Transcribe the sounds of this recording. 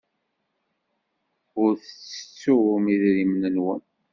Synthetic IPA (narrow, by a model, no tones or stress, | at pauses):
ʊɾθət͡sːə̥t͡sːʊʊmiðɾimnənwə̰n